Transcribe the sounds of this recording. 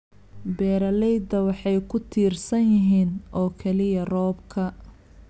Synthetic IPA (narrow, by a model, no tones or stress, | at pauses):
bɛːɾɐlɛjd̪ɐwɑħɑjkʰʊt̪ʰiːrsɐnjɪɦiːnʔɔːkʰɛlɪjɐrɔːbkʰɐ